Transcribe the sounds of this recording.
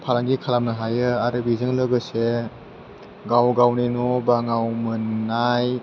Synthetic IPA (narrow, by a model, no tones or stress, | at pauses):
pʰalaŋɡikʰalamnaɦajɯaɾɯbizɯŋlɯɡɯse | ɡawɡawninɔbaŋawmɯnːaj